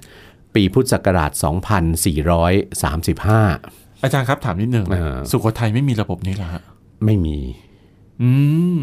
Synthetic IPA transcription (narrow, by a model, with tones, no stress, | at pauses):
piː˧pʰu˦˥t̪̚sa˨˩kːa˧ɾa̰ː˨˩t̪̚sɔ̰ː˩˦ŋpʰa˧nsiː˨˩ɾɔː˦˥jsa̰ː˩˦msi˨˩p̚haː˥˩ | ʔaː˧t͡ɕaː˧nkʰa˦˥pt̪ʰaː˩˦mni˦˥t̪̚nɯ˨˩ŋaː˧˩su˨˩kʰa˨˦˥t̪ʰa˧jma˥˩jmiː˧ɾa˧bo˨˩p̚niː˦˥la˨˩kʰa˦˥ʔ | ma˥˩jmiː˧ | ʔɯː˧